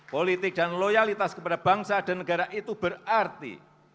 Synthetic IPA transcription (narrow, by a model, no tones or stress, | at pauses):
polit̪ɪk̚danlojalit̪askəpadab̥aŋsad̥anəɡaɾaʔit̪ubərart̪ḭ